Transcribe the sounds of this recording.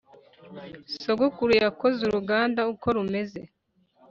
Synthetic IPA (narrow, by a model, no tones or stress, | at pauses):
soɡukuɾujakozuɾuɡaːndauko̞ɾume̞ze